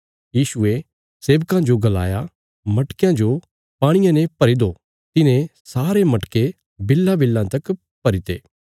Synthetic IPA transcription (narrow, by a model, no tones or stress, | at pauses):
jiːsʊe | seːʋkãd͡ʒoɡɐla̰ːja | mɐʈkjãd͡ʒo | paːɽ̃ɪjãnepɐɾid̪o | t̪ɪnẽsaːɾemɐʈke | bɪlːãbɪlːãt̪ɐk | pɐɾit̪ḛː